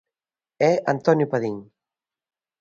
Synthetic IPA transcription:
ɛa̰nt̪ɔnjupaðiŋ

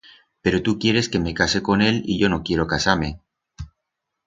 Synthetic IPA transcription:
pe̞ɾo̞t̪ukje̞ɾe̞ske̞me̞kase̞ko̞ne̞lḭʎo̞no̞kje̞ɾokasaɾme̞

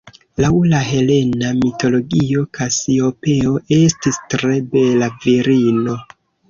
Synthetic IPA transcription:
lawlaɦe̞le̞namito̞lo̞ɡio̞kʰasio̞pe̞o̞ʔe̞stistɾe̞be̞laviɾino̞

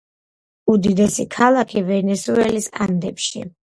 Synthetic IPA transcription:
ud̪id̪ɛsikʰalˠakʰivɛnɛsuɛlisa̰nd̪ɛpʃḭ

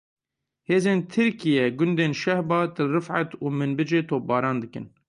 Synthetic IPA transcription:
heːzeːnt̪ʰɨɾkijɛɡʊnd̪eːnʃɛhbɑːt̪ɨrɨfʕa̰t̪uːmɨnbɨd͡ʒeːt̪ʰoːp̚bɑːɾɑːnd̪ɨkɨ̰n

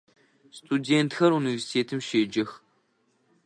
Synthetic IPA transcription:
stʰudeːntxɐɾunivesi̥tʰeːtʰɨmʃeːd͡ʒɪx

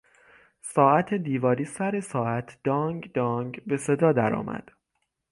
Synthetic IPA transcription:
sɒːæt̪ʰed̪iːvɒːɾiːsæɾe̞sɒːæt̪ʰd̪̥ɒːŋɡd̪ɒːŋɡbe̞se̞d̪ɒːd̪æɾɒ̰ːmæ̰d̪̥

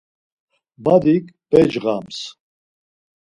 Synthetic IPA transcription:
bad̪ikpɛd͡ʒɣams

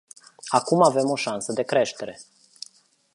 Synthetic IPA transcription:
akumave̞mo̞ʃansəd̪e̞kɾe̞ʃt̪e̞ɾe̞

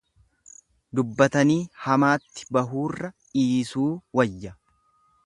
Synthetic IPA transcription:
d̪ʊbːɐt̪ɐniːhɐmaːt̪ːɪ̥bɐɦuːrːɐʔiːsuːwɐjːɐ

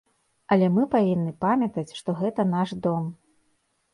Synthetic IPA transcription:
ɐlʲɛmɨpavʲinːɨpamʲɐt̪ɐt͡sʲʂt̪ɔɣɛt̪ɐn̪aʂd̪ɔm

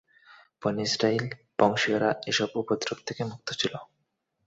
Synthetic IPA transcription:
ponisɾail | b̥ɔŋʃioɾaeʃɔbupod̪ɾobt̪ʰekemuk̚t̪ot͡ɕʰilo

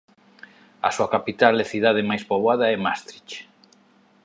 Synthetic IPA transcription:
a̰suakapit̪alɛθiðaðemajspoβaðaɛmast̪ɾit͡ʃ

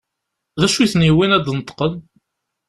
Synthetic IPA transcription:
ðæʃuθniwinæd̪nət̪ːqən

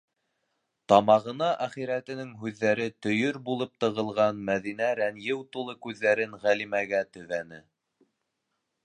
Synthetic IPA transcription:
t̪ɑmɑʁɤ̆nɑʔæχiɾæt̪ɘ̆nɘŋɦʉðːæɾɘt̪ɵ̆jɵɾbulˠɤp̚t̪ɤ̆ʁɤ̆lˠʁɑnmæðinæɾænjɘwt̪ulˠɤkʉðːæɾɘnʁælimæɡæt̪ɵ̆ðænɘ

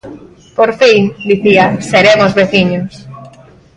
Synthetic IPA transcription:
poɾfiŋd̪iθiaseɾemʊzβeθiɲʊs

